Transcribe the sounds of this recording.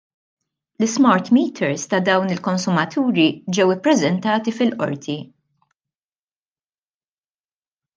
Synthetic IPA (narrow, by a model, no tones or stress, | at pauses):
lɪsmɐɾt̪miːt̪ʰɛɾst̪ɐd̪ɐwnɪlkɔnsʊmɐt̪ʰuːɾid͡ʒɛwɪpːɾɛzɛnt̪ɐːt̪ifɪlʔɔ̰ɾt̪ʰi